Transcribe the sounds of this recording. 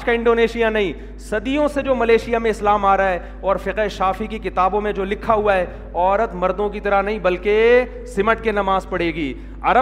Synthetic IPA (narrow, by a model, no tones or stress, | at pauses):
kaɪ̃ɳɖoːneːʃijanɐɦĩː | sɐd̪ijõsed͡ʒoːmɐleːʃijamẽɪslaːmaːɾɐaɦɛ | ɔːɾfɪqɦeʃaːfikikɪt̪aːbõmẽd͡ʒoːlɪkʰːaɦuaɦɛ | ɔːɾət̪mɐɾd̪õkit̪ɐɾənɐɦĩbɐlke | sɪməʈ̚kenɐmaːzpɐɽeːɡiː | ɐɾə